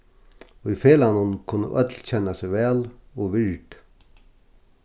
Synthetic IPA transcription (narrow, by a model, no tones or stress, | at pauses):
ujfeːlanʊnkʰʊnːə̰ʔœt̪lt͡ɕɛnːasɛʋɛːlɔʋɪɹʈ